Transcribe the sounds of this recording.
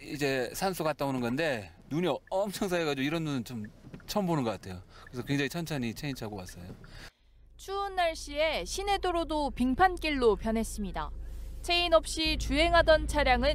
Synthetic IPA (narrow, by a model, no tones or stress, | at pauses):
id͡ʑe̞sʰansʰuɡat̚t͈aonɯnɡʌnde̞ | nuɲiʌmt͡ɕʰʌŋs̬ʰaeɡad͡ʑioiɾʌndunɯnt͡ɕomt͡ɕʰʌmbonɯnɡʌk͈atʰe̞jokɯɾesʌkwe̞ŋd͡ʑaŋit͡ɕʰʌnt͡ɕʰaɲit͡ɕʰe̞int͡ɕʰaɡowas͈ʌjo | t͡ɕʰuːnːaɭɕ͈ie̞ɕʰine̞doɾodopiŋpʰank͈iɭːopjʌnɦe̞s͈ɯmɲida̰t͡ɕʰe̞inʌp̚ɕ͈it͡ɕuɦe̞ŋɦadʌnt͡ɕʰaɾjaŋɯ